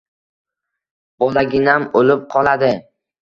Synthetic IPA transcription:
b̥ɒlaɡʲɪnamolɪp̚qʰɒlˠad̪ɪ

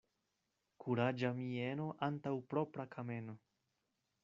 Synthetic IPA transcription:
kʰuɾad͡ʒamie̞no̞ʔantawpɾo̞pɾakʰame̞no

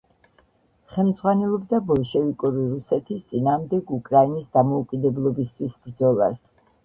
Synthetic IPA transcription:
χɛlˠmd̪z̥ʁwanɛlˠɔbd̪abɔlˠʃɛvikʼuɾiɾusɛt̪ʰist̪sʼinaːmd̪ɛɡukʼɾainisd̪amɔukʼid̪ɛblˠɔbist̪ʰwisbɾd̪zɔlˠa̰s

